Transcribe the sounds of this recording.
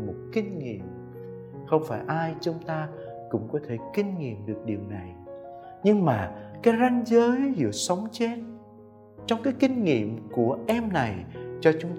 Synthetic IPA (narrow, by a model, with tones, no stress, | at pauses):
mo˨˩t̚kï˧ŋ̟ŋḭ˧˨əm | xə˧wŋ͡mfaː˧˩jʔaː˧jt͡ɕʊ˧ŋ͡mt̪aː˧ | kʊ̰˧˥ŋ͡mkɔ˨˦t̪ʰe˧˩kï˧ŋ̟ŋḭ˧˨əmɗɨ˨˩ək̚ɗi˨˩əwna˨˩j | ɲɨ˧ŋmaː˨˩kaː˨˦jza˧jŋ̟zəː˨˦jzɨ̰˧˨əsə˨˦wŋ͡mt͡ɕe˧˦n̚ | t͡ɕɔ˧wŋ͡mkaː˨˦jkï˧ŋ̟ŋḭ˧˨əmku˧˩əʔɛ˧mna˨˩jt͡ɕɔ˧t͡ɕʊ˨˦ŋ͡m